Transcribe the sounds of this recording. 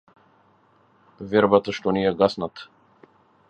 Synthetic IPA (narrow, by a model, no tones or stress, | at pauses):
vɛɾbat̪aʃt̪ɔnijɛɡasnat̪